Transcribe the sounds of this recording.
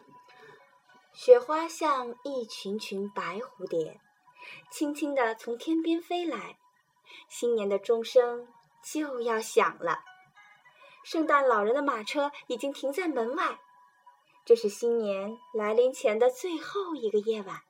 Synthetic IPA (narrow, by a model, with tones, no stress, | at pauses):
ɕɥɛ˧˥xwa˥ɕjɑ˥˧ŋi˥˩t͡ɕʰy˧˥nt͡ɕʰy˧˥npa˧˥ɪxu˧˥t̪jɛ˨˩˦n | t͡ɕʰi˥ŋt͡ɕʰi˥ŋd̪ə˨t͡sʰʊ˧˥ŋt̪ʰjɛ˥npjɛ˥nfe˥ɪla˧˥ɪ | ɕi˥nnjɛ˧˥nd̪ə˧ʈ͡ʂʊ˥ŋʂɤ˥ŋ | t͡ɕjo˥˧ʊjɑ˥˩ʊɕjɑ̰˨˩ŋlə̰˦ | ʂɤ˥˧ŋt̪a˥˩nlɑ˨˩ʊɻə˧˥nd̪ə˧ma˨˩ʈ͡ʂʰɤ˥i˨˩t͡ɕi˥ŋt̪ʰi˧˥ŋt͡sa˥˩ɪmə˧˥nwa˥˩ɪ | ʈ͡ʂɤ˥˧ʂɻ̩˥˩ɕi˥nnjɛ˧˥nla˧˥ɪli˧˥nt͡ɕʰjɛ˧˥nd̪ə˧t͡swe˥˧ɪxo˥˩ʊi˧˥ɡə˧jɛ˥˩wa˨˩n